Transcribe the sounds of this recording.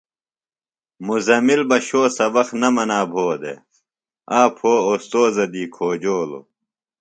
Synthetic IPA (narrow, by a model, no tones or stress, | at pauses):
muzɐmilbɐɕoːsɐbɐxnɐmɐnaːbʱoːd̪ḛ | aːpʰoːost̪oːzɐd̪iːkʰoːd͡ʑoːlo̰